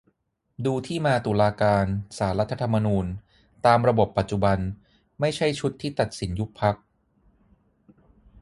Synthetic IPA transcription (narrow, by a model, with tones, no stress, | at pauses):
duː˧t̪ʰiː˥˩maː˧t̪u˨˩laː˧kaː˧nsaː˩˦ɾa˦˥t̪ʰːa˧t̪ʰa˧mːa˧nuː˧n | t̪aː˧mɾa˧bo˨˩pːa˨˩t̪̚t͡ɕu˨˩ba˧n | ma˥˩jt͡ɕʰa˥˩jt͡ɕʰu˦˥t̪ʰːiː˥˩t̪a˨˩t̪̚si˩˦nju˦˥k̚pʰːa˦˥k̚